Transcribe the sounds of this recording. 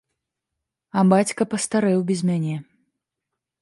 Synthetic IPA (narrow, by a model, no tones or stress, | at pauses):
ɐbat͡sʲkɐpɐst̪aɾɛwbʲɛzʲmʲanʲɛ